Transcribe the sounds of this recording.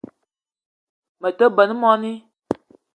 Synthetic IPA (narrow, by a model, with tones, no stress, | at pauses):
mə˨tə˦bə˨nɨ˦mɔ˦ni˦